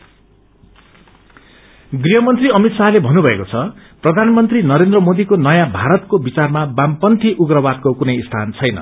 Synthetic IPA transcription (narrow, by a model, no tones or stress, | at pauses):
ɡriɦʌmʌnt̪riʌmit̪salebʱʌnːubʱʌekot͡sʰʌ | prʌd̪ʱanmʌnt̪rinʌɾend̪rʌmod̪ikonʌjãbʱaɾʌt̪̚kobit͡sarmabampʌnt̪iʔuɡrʌbad̪̚kokunʌjst̪ʰa̰nt͡sʰʌjnʌ̰